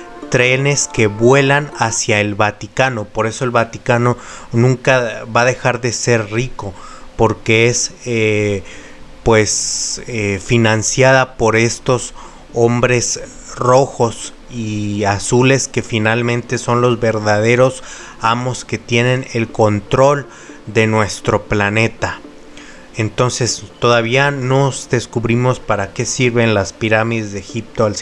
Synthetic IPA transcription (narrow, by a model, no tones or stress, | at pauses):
t̪ɾe̞ne̞ske̞βwe̞lanasjae̞lβat̪ikano̞po̞ɾe̞so̞e̞lβat̪ikano̞nũŋkaβaðe̞xaɾðe̞se̞ɾriko̞po̞ɾke̞ese | pwe̞sefinãnsjaðapo̞ɾe̞st̪o̞s | o̞mbɾe̞s | ro̞xo̞s | iasule̞ske̞finalmẽnt̪e̞so̞nlo̞zβe̞ɾðað̞e̞ɾo̞s | amo̞ske̞t̪je̞nẽ̞ne̞lko̞nt̪ɾo̞l | d̪e̞nwe̞st̪ɾo̞plane̞t̪a | ent̪o̞nse̞st̪o̞ðaβianozd̪e̞skuβɾimo̞spaɾake̞siɾβe̞nlaspiɾamiðe̞zðexip̚t̪oals